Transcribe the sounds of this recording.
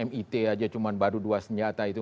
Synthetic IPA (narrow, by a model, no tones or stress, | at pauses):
ɛmit̪ead͡ʒat͡ʃumanbaɾuduasəɲd͡ʒat̪ait̪u